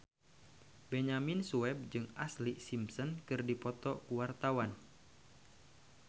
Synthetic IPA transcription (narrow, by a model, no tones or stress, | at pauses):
bɛɲaminsuɛb̚d͡ʒɨŋaslisimsɔnkɨrdipɔt̪ɔkuwart̪awan